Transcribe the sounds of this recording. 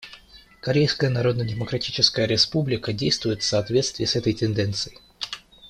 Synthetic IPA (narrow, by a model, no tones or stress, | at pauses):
kɐɾʲejskəjənɐɾo̞d̪nədʲɪməkɾɐtʲit͡ɕɪskəjəɾʲɪspublʲɪkədʲejst̪vʊjɪt̪fsɐːt̪vʲe̞t̪st̪vʲɪːsɛt̪əjtʲɪnd̪ɛnt̪sɨjɪ